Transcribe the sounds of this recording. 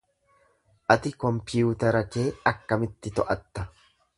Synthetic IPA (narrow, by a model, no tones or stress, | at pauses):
ʔɐt̪ɪkɔmpɪjuːt̪ɐɾɐkeːɐkːɐmɪt̪ːɪt̪ɔʔɐt̪ːɐ